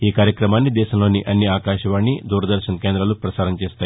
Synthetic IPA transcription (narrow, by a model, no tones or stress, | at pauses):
iːkaːɾjɐkɾɐmaːnːid̪ɛːʃɐmlo̞ːniʔɐnːiaːkaːʃɐʋaːɳːid̪uːɾɐd̪ɐɾʃɐnɐkeːnd̪ɾɐlupɾɐsaːɾɐmt͡ʃeːst̪aːj